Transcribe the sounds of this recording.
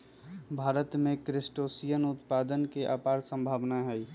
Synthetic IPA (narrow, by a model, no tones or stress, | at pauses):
bʱaːɾət̪mẽkɾɪsʈoːsijənʊt̪paːd̪ənkeʔaːpaːɾsə̃mbʱaːʋnaɦɛi